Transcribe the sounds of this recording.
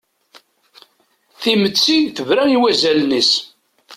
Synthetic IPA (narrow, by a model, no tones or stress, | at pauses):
θimət͡sːiθəvɾæiwæzælnis